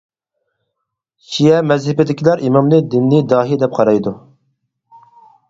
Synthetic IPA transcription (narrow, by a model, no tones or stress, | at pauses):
ʃijɛmɛzhɪbɪd̪ɪkʲilæɾʔimɑmlɨd̪ɪnːɪd̪ɑːɦid̪ɛp̚qʰɑɾɑjd̪u